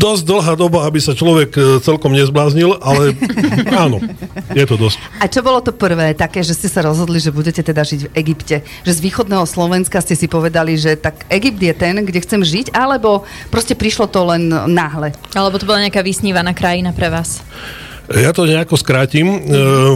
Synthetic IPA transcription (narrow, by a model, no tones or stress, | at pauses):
d̪ɔz̚d̪l̩ɦaːd̪ɔbaabisat͡ʃlɔʋɛkt͡sɛlkɔmɲɛzblaːzɲilʔalɛ | aːnɔjɛt̪ɔd̪ɔsc | ʔat͡ʃɔbɔlɔt̪ɔpr̩ʋɛːt̪akɛːʒɛscɛsaɾɔzɦɔd̪liʒɛbuɟɛcɛt̪ɛd̪aʒiɟvɛɡipcɛ | ʒɛzʋiːxɔd̪nɛːɦɔslɔʋɛnskascɛsipɔʋɛd̪aliʒɛt̪akɛɡip̚d̪jɛt̪ɛnɡɟɛxt͡sɛmʒiɟalɛbɔpɾɔscɛpɾiʃlɔt̪ɔlɛnːaɦlɛalɛbɔt̪ɔbɔlaɲɛakaːʋisɲiːʋanaːkɾajinapɾɛʋaːs | jat̪ɔɲɛakɔskɾaːcim